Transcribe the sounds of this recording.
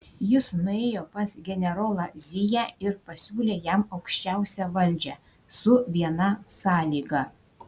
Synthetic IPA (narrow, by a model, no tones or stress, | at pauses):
jɪsnʊeːjoːpɐsɡʲɛnʲɛɾoːlˠɑzʲɪjæɪɾpɐsʲuːlʲeːjæmɐʊkʃʲt͡ʃʲæˑʊsʲɛʋɐlʲd͡ʒʲɛ | sʊʋʲiɛnɐsɑːlʲiːɡɐ